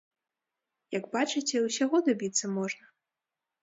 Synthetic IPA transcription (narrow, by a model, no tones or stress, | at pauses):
jɐɡbat͡ʂɨt͡sʲɛwsʲaɣɔd̪abʲit̪sːɐmɔʐnɐ